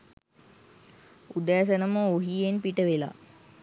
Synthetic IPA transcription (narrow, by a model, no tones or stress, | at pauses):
ud̪æːs̬ənəməoɦijenpiʈəʋela̰